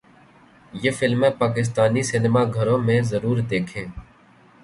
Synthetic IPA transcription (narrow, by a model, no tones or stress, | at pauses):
jeːfɪlmẽːpaːk̬ɪs̬t̪aːniːsɪnɪmaːɡʱəɾõːmẽːzəɾuːɾd̪eːkʰẽː